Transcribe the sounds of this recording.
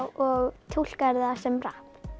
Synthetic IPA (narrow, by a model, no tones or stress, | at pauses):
wɔɣt̪ʰul̥kaɾðasɛmrahp